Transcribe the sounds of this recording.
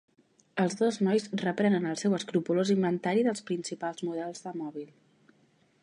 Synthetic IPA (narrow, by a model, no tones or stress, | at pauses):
əlˠzðoznɔjsrəpɾɛnənəlˠsɛwəskɾupulozimbənt̪aɾiðəlˠspɾinsipalˠzmuð̞ɛlˠzðəmɔβ̞ilˠ